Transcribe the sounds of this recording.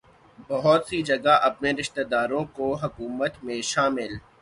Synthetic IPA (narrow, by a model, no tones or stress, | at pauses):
bɐɦʊt̪sid͡ʒɐɡaʔɐpneɾɪʃt̪ed̪aːɾõkoɦɐkuːmət̪mẽʃaːmɪl